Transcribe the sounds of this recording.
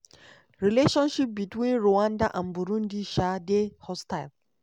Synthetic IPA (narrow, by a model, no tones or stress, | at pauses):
ɹileʃɔ̃nʃip̚bitwĩnɹoãndaʔãnbuɾũndiʃadehɔstaɪl